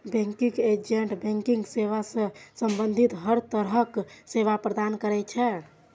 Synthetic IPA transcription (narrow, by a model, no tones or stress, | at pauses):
bɛ̃ŋkiked͡ʒeɳʈbẽŋkĩŋɡseʋasə̃səmbənd̪ʱit̪ɦəɾt̪əɾɦəkseʋapɾəd̪ankəɾɛt͡ʃʰɛ